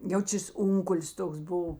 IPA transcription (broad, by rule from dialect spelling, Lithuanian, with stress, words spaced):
ˈjɛʊ ˈt͡ʃʲeːs ˈʊŋkʊlʲsʲ ˈtoːks ˈbʊw